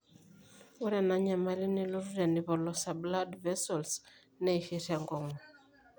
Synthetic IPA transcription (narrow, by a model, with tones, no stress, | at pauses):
u˦ɾɛ˨na˦ɲa˨ma˨li˦ni˦˨lu˦ɾu˦ɾa˨ni˨βɔ˨lɔ˨sa˨bla˦dvɛ˦sɔ˨ls | nɛ˦i˨ʃi˨ɾa˨ŋɡɔ˨ŋɔ˨